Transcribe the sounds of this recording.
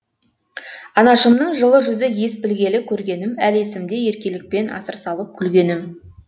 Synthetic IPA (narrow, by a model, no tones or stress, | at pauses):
ɑnɑʃəmnəɴʒəlˠəʒʏzəje̞spɪlɡʲe̞lɪkʲʰɵɾɡʲe̞nɪmæle̞sɪmd̪e̞je̞ɾkʲe̞lɪk̚pe̞nɑ̰səɾsɑlˠəp̚kʲʰʏlɡʲe̞nɪm